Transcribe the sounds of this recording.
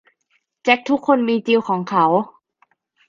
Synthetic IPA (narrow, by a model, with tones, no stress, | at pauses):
t͡ɕe˦˥k̚t̪ʰu˦˥kʰːo˧nmiː˧t͡ɕi˧wkʰɔː˩˦ŋkʰa˦˥w